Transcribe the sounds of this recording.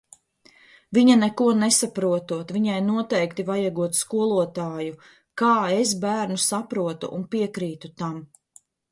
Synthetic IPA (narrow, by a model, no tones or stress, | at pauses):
viɲanɛkuɔnesapɾuɔt̪uɔt̪viɲajnuɔt̪ɛjkt̪ivajaɡuɔt̪skuɔlˠuɔt̪aːju | kaːesbæːɾnusapɾuɔt̪ṵʔunpiɛkɾiːt̪ut̪am